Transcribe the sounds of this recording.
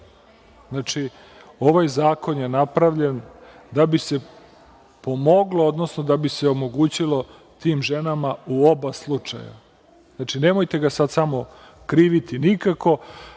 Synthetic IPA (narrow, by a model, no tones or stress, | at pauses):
znat͡ʃi | o̞ʋajzaːko̞nje̞napɾaʋʎen | d̪abise̞ | po̞mo̞ɡlood̪no̞sno̞d̪abiseo̞mo̞ɡuːt͡ɕilo̞ | t̪iːmʒe̞namauo̞baslˠut͡ʂa̰ja̰ | znat͡ʃine̞mo̞jt̪e̞ɡasad̪samo̞ | kɾiːʋit̪inikako̞